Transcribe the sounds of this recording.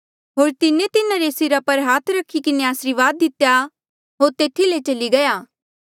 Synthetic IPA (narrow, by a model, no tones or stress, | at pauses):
ɦoːɾt̪ɪnet̪ɪnãɾesɪɾapɐɾɦaːt̪ʰɾɐkʰːikɪneaːsɾiʋaːd̪ːɪt̪ja | ɦoːɾt̪eːt̪ʰilet͡ʃɐliɡɐjaː